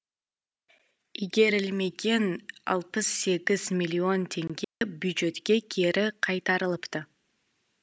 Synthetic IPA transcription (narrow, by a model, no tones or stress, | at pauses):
iɡʲe̞ɾɪlme̞ɡʲe̞nɑ̰lˠtəsːe̞ɡʲɪz̥mʲɪlʲːio̞nt̪ʰʲe̞ŋɡʲe̞bʲjʊd̪ʒe̞t̪kʲe̞kʲʰeɾʔɪqʰɑjt̪ɑɾɯlˠəpt̪ə